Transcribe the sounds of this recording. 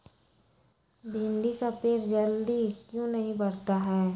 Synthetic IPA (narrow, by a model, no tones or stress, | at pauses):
bʱɪ̃nɖikapeːɾd͡ʒəld̪ikjõnəɦĩbɐɾt̪aɦɛː